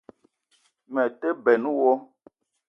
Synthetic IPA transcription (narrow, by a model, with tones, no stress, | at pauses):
mɛ˨te˦bɛ˨nu˦wɔ˦